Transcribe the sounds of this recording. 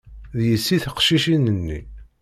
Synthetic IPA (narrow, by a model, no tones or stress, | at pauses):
ðjəsːiθəqʃiʃinənːi